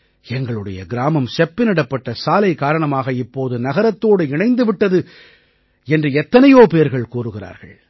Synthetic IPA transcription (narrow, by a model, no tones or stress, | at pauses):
ɛŋɡɐɭɯɽɐjɐ̰ɡɪɾaːmɐmsɛpːɪnɪɽɐpːɐʈːɐsaːlɐɪkːaːɾɐɳɐmaːɣɐɪpːoːðɯnɐɣɐɾɐt̪ːoːɽɯɪɳɐɪnd̪ɯʋɪʈːɐðɯ | ɛndrɯɛt̪ːɐnɐjoːpeːɐɾɣɐɭkuːɾɯɣɪra̰ːɾɣɐ̰ɭ